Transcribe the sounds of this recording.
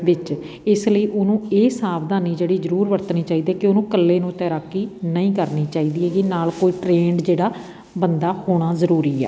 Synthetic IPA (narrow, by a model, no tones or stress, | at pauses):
ʋɪt͡ʃ | ɪsləiːʔʊnũːeːsaːd̪aːniːd͡ʒeːɽiːzəɾuːɾʋəɾt̪niːt͡ʃaːiːd̪eːkɪonũːkəlːeːnũːt̪ɛːɾaːkːiːnəĩːkəɾniːt͡ʃaːiːd̪iːɛːɡiːnaːlkoːiːʈɾeːɳɖd͡ʒeːɽaː | bənd̪aːhoːɽ̃aːzəɾuːɾiːɛ̰ː